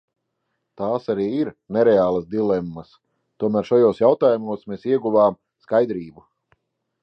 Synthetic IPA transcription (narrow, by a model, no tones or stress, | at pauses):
t̪aːsaɾiːiɾnɛɾɛaːlˠɐsd̪ilˠɛmːɐs | t̪uɔmæːɾʃajoːsjawt̪aːjumuɔsmeːsiɛɡuvaːm | skajd̪ɾiːbu